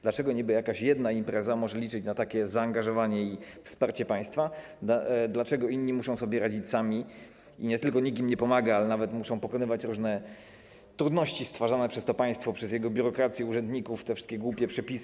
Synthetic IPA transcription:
d̪lat͡ʂɛɡɔɲibɘjakaɕjɛd̪naimpɾɛzamɔʐɛlʲit͡ʂɘt͡ɕnat̪akʲɛzaːŋɡaʐɔvaɲɛifspaɾt͡ɕɛpaj̃st̪fa | d̪lat͡ʂɛɡɔinɲːimuʂɔ̃w̃sɔbʲjɛɾad͡ʑit͡ɕsamʲi | iɲɛt̪ɘlkɔɲik̬ʲimɲɛpɔmaɡaalɛnavɛt̪muʂɔ̃w̃pɔkɔnɘvat͡ɕɾuʐnɛ | t̪ɾud̪nɔɕt͡ɕist̪faʐanɛpʂɛst̪ɔpaj̃st̪fɔpʂɛzjɛɡɔbʲjuɾɔkɾat̪sʲjɛuʐɛnd̪ɲikuft̪ɛfʂɘ̥st̪kʲɛɡwupʲjɛpʂɛpʲis

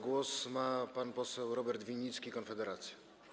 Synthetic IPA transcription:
ɡwɔsmapanpɔsɛwɾɔbɛɾt̪vʲiɲʲːit̪skʲikɔnfɛd̪ɛɾat̪sʲja

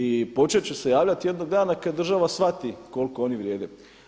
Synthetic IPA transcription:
ipo̞t͡ʃet͡ɕuse̞jaːʋʎat̪je̞d̪no̞ɡ̚d̪aːnakad̪ːr̩ʒaʋasʋat̪iko̞lkoo̞niʋɾjeːd̪ḛ

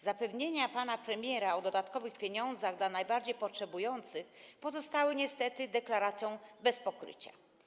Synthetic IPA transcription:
zapɛvɲeɲapanapɾɛmʲjɛɾaɔd̪ɔd̪at̪kɔvɘxpʲjeɲɔnd̪zaɣd̪lanajbaɾd͡ʑejpɔtʂɛbujɔnt̪sɘxpɔzɔst̪awɘɲɛst̪ɛt̪ɘd̪ɛklaɾat̪sʲjɔ̃w̃bɛspɔkɾɘ̰t͡ɕa

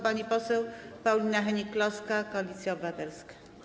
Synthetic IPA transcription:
paɲipɔsɛwpawlʲinaɦɛɲiklɔskakɔalʲit̪sʲjaɔbat̪ɛɾskḁ

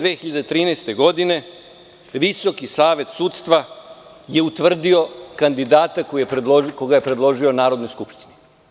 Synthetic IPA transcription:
ʋeːxiʎad̪et̪ɾiːnest̪e̞ɡo̞d̪ine̞ | ʋiso̞kisaːʋe̞t̪suːt̪st̪ʋa | je̞ut̪ʋr̩d̪io̞kand̪id̪aːt̪akoijepd̪koɡajepɾed̪lˠo̞ʒio̞naːɾo̞d̪no̞jskupʃt̪ini

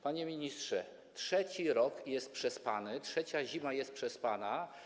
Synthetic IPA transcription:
paɲɛmʲiɲistʂɛ | tʂɛt͡ɕiɾɔkjɛst̪̚pʂɛspanɘtʂɛt͡ɕaʑimajɛst̪̚pʂɛspana

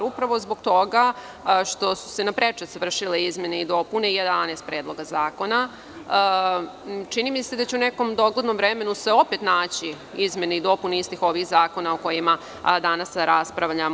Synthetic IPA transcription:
ɾupɾaʋo̞zbo̞ɡt̪o̞ɡa | ʃt̪o̞su̥se̞napɾet͡ʂet̪sʋr̩ʃileizme̞neid̪o̞puneijed̪aneːst̪̚pɾeːd̪lˠo̞ɡazaːko̞na | t͡ʃinimisse̞d̪at͡ɕeuneko̞md̪o̞ɡlod̪nomvɾeme̞nusʋe̞o̞pet̪naːt͡ɕi | izme̞neid̪o̞puneist̪ixo̞ʋixzaːko̞naoko̞jima | d̪anasɾaspɾaʋʎam

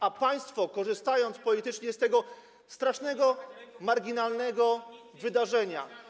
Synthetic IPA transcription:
apaj̃st̪fɔkɔʐɘst̪ajɔnt̪spɔlʲit̪ɘt͡ʂɲɛst̪ɛɡɔ | st̪ɾaʂnɛɡɔmaɾɡʲinalnɛɡɔ | vɘd̪aʐɛɲa̰

